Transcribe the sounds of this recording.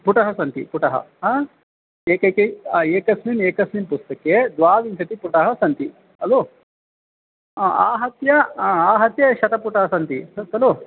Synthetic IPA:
puʈɐɦɐsɐnt̪ḭpuʈɐɦɐ̰ɦaː | eːkɐjkɐjeːkɐsmimeːkɐsmimpust̪ɐked̪ʋaːʋint͡ʃʰɐt̪ipuʈɐɦɐsɐnt̪i | ɐlo | aːɦɐt̪jɐaːɦɐt̪jɐʃɐt̪ɐpuʈɐɦɐsɐnt̪isɐt̪ɐlo

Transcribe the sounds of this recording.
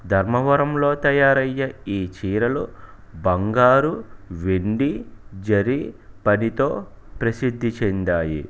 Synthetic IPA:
d̪ʱɐɾmɐʋɐɾɐmlo̞ːt̪ɐjaːɾɐjːɐiːt͡ʃiːɾɐlu | bɐŋɡaːɾuʋeɳɖid͡ʒɐɾipɐnit̪o̞ː | pɾɐsid̪ʱːit͡ʃend̪aːjḭ

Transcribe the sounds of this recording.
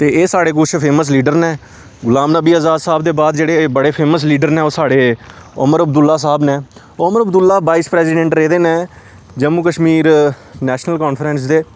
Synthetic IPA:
t̪eːeːsaːɽeːk̬ʊt͡ʃʰpʰeːməs̬liːɖəɾnɛ̃ː | ɡʊlaːmnəbiːəzaːd̪saːbd̪eːbaːd̪d͡ʒeːɽeːbəɽeːpʰeːməsliːɖəɾnɛ̃ːoːsaːɽeːʊ̰məɾəbd̪ʊlːaːsaːbnɛː | ʊməɾəbd̪ʊlːaːʋaːispɾɛːsiːɖɛ̃ɳʈɾeːd̪eːneː | d͡ʒəmuːkəʃmiːɾ | nɛːʃnəlkɔːnpʰɾɛ̃ːns̬d̪eː

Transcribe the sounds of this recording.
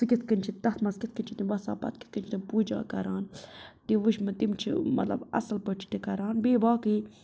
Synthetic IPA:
sɨkit̪ʰkənʲt͡ʃʰit̪ɐt̪ʰmɐskit̪̚ʰkɨnʲt͡ʃʰit̪iʋɐsa̰ːpɐ̰t̪̚ki̥t̪̚ʰkɨnt͡ʃʰit̪impuːd͡ʒa̰ːkɐɾaːnt̪iʋɨʃmɐt̪imt͡ʃʰḭmɐ̰t̪lɐ̰bɐ̰sɐlpət͡ʃʰi̥t̪ikɐɾaːnbeːbaːki

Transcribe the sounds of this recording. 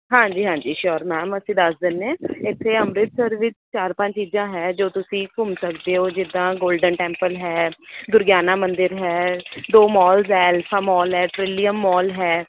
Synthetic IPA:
ɦãːd͡ʒiːɦãːɲd͡ʒiːʃɔːɾmɛːməsĩːd̪əsd̪ɪnːẽːɪt̪ʰːeːəmɾɪt̪səɾʋɪst͡ʃaːɾpə̃ɲt͡ʃt͡ʃiːzãːɦɛːd͡ʒoːt̪ʊsĩːkʊmsəkd̪eːɦoːd͡ʒɪd̪ãːɡoːlɖənʈɛ̃ːmpəlɦɛːd̪ʊɾɡjaːnaːmənd̪ɪɾɦɛːd̪oːmɔːlzɛːlpʰaːmɔːlɦɛːʈɾɪlijəmːɔːlɦɛː

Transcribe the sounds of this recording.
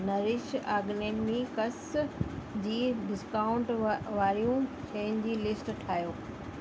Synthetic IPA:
nɐɾɪʃaːɡneːnmikɐs | d͡ʑiːɖɪskaːʊ̃ɳʈʋaːɾijũ | ʃẽːɪ̃nd͡ʑiːlɪsʈʈʰaːjoː

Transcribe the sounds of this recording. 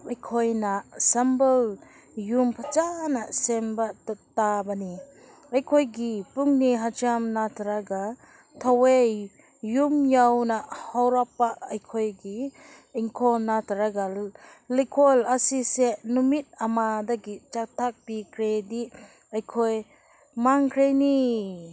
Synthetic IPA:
ɐjkʰojnasambəl | jumpʰat͡ʃanasembattabani | ajkʰojɡipuŋniɦat͡ʃamnatʰɾaɡa | tʰawejː | umjawnahawɾapːaajkʰojɡiː | ŋkʰɔnatʰɾaɡalikʰolasisenumit̚amadaɡit͡ʃak̚tʰak̚bikʰɾedi | ajkʰoj | maŋkʰɾejni

